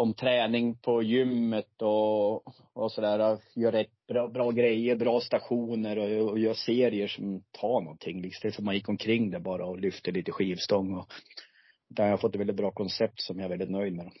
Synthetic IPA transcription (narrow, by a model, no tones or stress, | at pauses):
ɔmt̪ʰɾɛːnɪŋpʰɔjʏmːət̪ɔ | ɔsɔd̪æːɾajœːɾːɛt̪ːb̥ɾɑːbɾɑːɡɾɛjːəɾbɾɑːst̪aɧuːnəɾɔjœːseːɾɪəʂɔmt̪ʰɑːɳɔ̰nt̪ʰɪŋːlɪst̪ɛlːəfœmanjɪkːɔmkʰɾɪŋːd̪ɛbɑːɾaɔlʏft̪əliːt̪əɧiːvst̪ɔŋːɔ | d̪ɛajahaɾfɔt̪ːɛt̪vɛlɪt̪̚bɾɑːkʰɔnsɛp̚t̪sɔmjaɛɾvɛlɪt̪nœjd̪mɛd̪ɔm